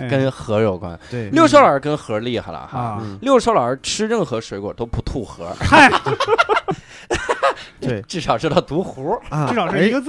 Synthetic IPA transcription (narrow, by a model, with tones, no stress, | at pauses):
kə˥nxɤ˧˥ɻo˨˩ʊkwa̰˧˥n˧ljo˥˩ʊʂ̬o˥ʊə˞˨˧˥kə˥nxɤ˧˥li˥˩xa˧˩lɐ̰˨˩xa̰˧ljo˥˩ʊʂo˧˥ʊə˞˨˧˥ʈ͡ʂʰɻ̩˥ɻə˥˩nxɤ˧˥ʂwe˧˥kwɔ̰˨˩t̪o˥ʊpu˧˥t̪ʰu˥˩xɤ˧˥˩ | ʈ͡ʂɻ̩˥˩ʂɑ˨˩ʊʂo˥t̪ʰɑ˥˩ʊt̪u˧˥xu˧˥˧ʂɑ˨˩ʊ˥˧